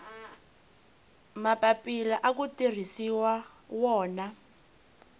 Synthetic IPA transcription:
mapapʼilaʔak̬utir̤isiwa | wɔːna

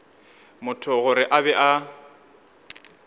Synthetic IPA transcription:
mʊtʰʊɣʊɾɪʔabɛʔa

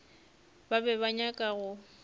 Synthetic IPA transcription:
babɛβaɲakʼaɣʊ

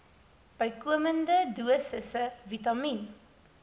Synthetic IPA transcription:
b̥əjkuəməndəduəsəsəvitɐmin

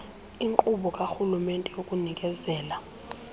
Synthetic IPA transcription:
iŋǃʼuɓɔkʼaxulumɛntʼɛjokʼunikʼɛzɛːla

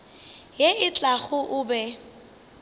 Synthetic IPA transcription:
jeʔɪt͡ɬʼaɣʊʔʊbɛ

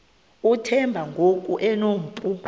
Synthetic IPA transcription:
utʰɛmbʱaŋɡʱokʼuʔɛnoːm̩pʼu

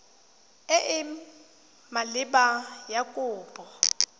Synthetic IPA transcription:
ɪʔɪ | malɪbajakʼʊːpʼɔ

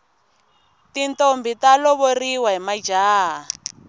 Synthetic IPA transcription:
tintombitalɔβoriwaɦimad͡ʒaːɦa

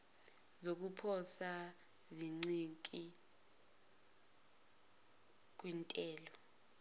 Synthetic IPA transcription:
zok̬ʼupʰɔsa | ziŋ͡ǀikʼi | k̬ʼwintʼɛːlɔ

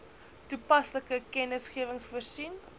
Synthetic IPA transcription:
tupɐsləkəkɛnəsχiəvəŋsfuərsin

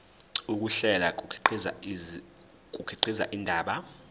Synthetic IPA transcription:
uk̬ʼuɬɛlak̬ʼuǃʰiza | k̬ʼukʰiǃiza̰ʔindʱaːɓa

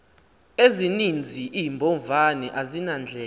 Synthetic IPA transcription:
ezinind͡zʱiʔimbʱɔɱvanɛʔazinand͡ɮʱɛː

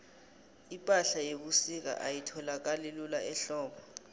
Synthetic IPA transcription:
ipʼaɬajek̬usik̬a̰ʔajitʰɔlak̬alelulaɛɬɔːɓɔ

